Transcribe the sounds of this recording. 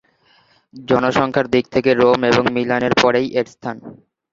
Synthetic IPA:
d͡ʑɔnoʃɔŋkʰaɾd̪ik̚t̪ʰekeɾomeboŋmilaneɾpɔɾejʔeɾst̪ʰan

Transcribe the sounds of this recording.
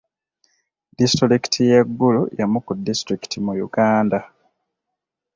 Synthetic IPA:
distuliki̥tʰijeɡːulujamukudːistɾiki̥tʰimujuɡaːnda

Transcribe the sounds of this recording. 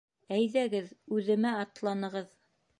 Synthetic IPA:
æjðæɡɘðʉðɘ̆mæɑt̪lˠɑnɤ̆ʁɤð

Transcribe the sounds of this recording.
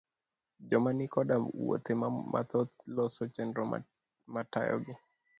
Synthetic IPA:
d͡ʒɔmanikɔɗawɔ̰t̪ɛmama̰t̪ɔlɔsɔt͡ʃɛndɾɔ̰ | matajɔ̰ɡɪ

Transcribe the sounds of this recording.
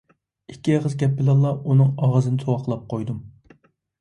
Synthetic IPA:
ikʲːiʁəzɡʲɛpːɪlɑlˠːɑunɨŋɑʁɑzɨnɨsʰowɑqʰəlˠɑp̚qʰojd̪um

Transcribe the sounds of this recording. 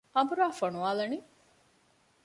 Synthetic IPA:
ɐbuɾaːfonuʋaːlɐni

